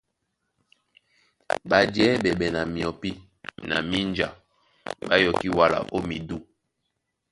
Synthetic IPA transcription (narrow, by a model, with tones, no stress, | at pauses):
ba˨djɛ˦bɛ˨bɛ˨na˨mi˨ɔ˨pi˦ | na̰˨mi˦nd͡ʒa̰˨ | ba˦jɔ˨ki˦wa˨la̰˨ʔo˦mi˨du˦